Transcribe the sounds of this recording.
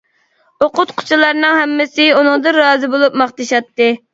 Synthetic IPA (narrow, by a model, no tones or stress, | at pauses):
oqʊt̪̚qʰʊ̥t͡ʃʰilˠɑɾnɨŋhɛmːɪsɪunɨŋd̪ɨɾɑːzɨbolˠup̚mɑχt̪ɨʃɑt̪ːɨ